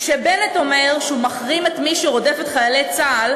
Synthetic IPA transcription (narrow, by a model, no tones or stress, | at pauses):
ʃebeneto̞meʁʃeumɐχʁimetmiʃuʁo̞defetχajalet͡saːl